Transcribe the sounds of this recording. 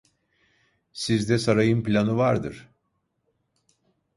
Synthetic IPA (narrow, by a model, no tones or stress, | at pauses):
sizd̪ɛsaɾajɯmplʲanɯvaɾd̪ɯ̰ɾ̥